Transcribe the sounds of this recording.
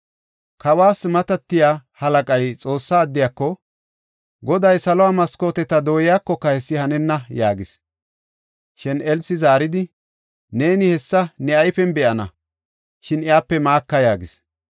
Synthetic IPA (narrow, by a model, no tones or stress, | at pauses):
kʰɐwaːsmɐt̪ɐt̪ːɪjaːhɐlɐkʼɐjt͡sʼo̞ːsːaːd̪ːɪjakːɔ | ɡɔd̪ɐjsɐlɔwaːmɐsko̞ːt̪ɛt̪ɐd̪o̞ːjɪjaːkːɔkːɐhɛsːɪhɐnɛnːɐjaːɡɪs | ʃɪnɛlsːɪzaːɾɪd̪ɪ | ne̞ːnɪhɛsːɐnɛɐjfɛnbɛʔɐnɐ̰ | ʃɪnɪjaːpːɛmaːkːɐjaːɡɪs